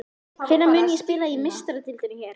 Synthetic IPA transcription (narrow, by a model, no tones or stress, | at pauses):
fɪnːamʏːnjɛspɪːlaimɪst̪aɾʏt̪ʰɪlt̪ɪnɪçɛːɾ̥